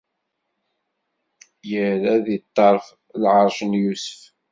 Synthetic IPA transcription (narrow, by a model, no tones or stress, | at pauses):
jəɾæðət̪ˤːɑɾˤf | lʕɑɾˤʒənjusə̥f